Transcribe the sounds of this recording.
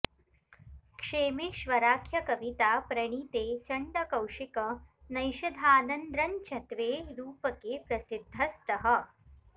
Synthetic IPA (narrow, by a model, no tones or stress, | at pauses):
kʂeːmiʃʋɐɾaːkʰjɐkɐʋit̪aːpɾɐɳ̃iːt̪eːt͡ʃɐɳɖɐkɐwʂikɐnɐjʃɐd̪ʱaːnɐnd̪ɾɐnt͡ʃʰɐt̪ʋeːɾuːpɐkeːpɾɐsid̪ʱːɐst̪ɐɦə